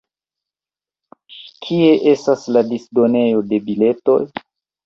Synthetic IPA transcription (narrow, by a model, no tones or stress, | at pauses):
kʰie̞ʔe̞stasladisdo̞ne̞jo̞de̞bile̞to̞̰j